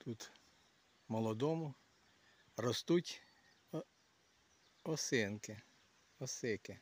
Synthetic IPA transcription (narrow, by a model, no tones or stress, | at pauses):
t̪ʰut̪ | mɔlˠɔd̪ɔmʊ | rɔst̪utʲ | ɔsɪnkɪ | ɔsɪkɪ